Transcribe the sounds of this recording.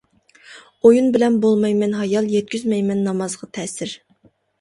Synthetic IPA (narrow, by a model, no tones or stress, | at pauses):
ojunbɪlɛnbolˠmɑjmɛnɦɑjɑlˠjɛt̪̚kʲyzmɛjmɛnːɑmɑzʁɑt̪ʰɛsɪɾ